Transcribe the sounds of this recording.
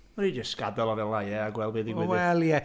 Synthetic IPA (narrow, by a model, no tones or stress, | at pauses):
əɾid͡ʒəskadɔlˠɔvɛlajɛaɡwɛlˠbeːðiɡɛwɛlˠiɛ